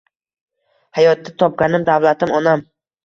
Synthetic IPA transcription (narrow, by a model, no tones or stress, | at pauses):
hajɒt̪̚ːat̪ʰɒp̚ɡʲanɪmd̪avlat̪ʰɪmɒnam